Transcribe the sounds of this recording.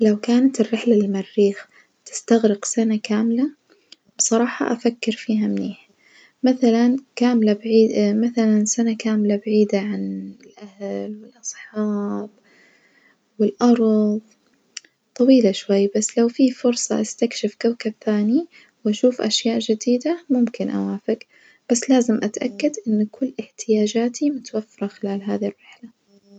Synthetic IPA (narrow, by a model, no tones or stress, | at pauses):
lawkaːnat̪ɪrːɪħlalmarːiːx | t̪ɪ̥st̪aɣɾɪqsanakaːmla | bsˤɑɾˤɑːħɑ̰ʔafakːɪɾfiːɦamniːħ | maθalankaːmlabaʕiːmaθalansanakaːmlabaʕiːd̪aʕanɪlʔahlwɪlʔɑsˤħɑːb̥ | wɪlʔɑɾˤðˤ | t̪ˤːɑwiːlaʃwajːbasːlawfiːfʊɾsˤɑʔast̪akʃɪfkawkabθaːni | wʔaʃuːfʔa̰ʃjaːʔd͡ʒɪd̪iːd̪amʊmkɪnʔa̰waːfɪk | b̥asːlaːzɪmʔat̪ʔakːad̪ʔɪnːkʊlːʔɪħt̪ɪjaːd͡ʒaːt̪ʰimʊt̪wafːɪɾˤɑxɪlaːlɦaːðirːɪħla